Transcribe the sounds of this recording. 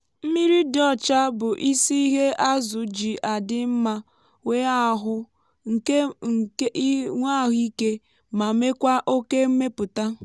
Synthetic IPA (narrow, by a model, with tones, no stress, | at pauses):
m̩˦mi˦ɾi˦dɔ˦˨t͡ʃa˦bʊ˨ʔi˦si˦i˦ɦe˦ʔa˦zʊ˨d͡ʒi˨ʔa˨dɪ˦m̩˦ma˦ | we˦a˦ɦʊ˦ | ŋ̩˨e˦˨˦ | ŋʷa˦˨ɦʊ˦i˦ke˦ | ma˨me˦kʷa˦ʔo˦ke˦m̩˦me˦pʊ˨ta˦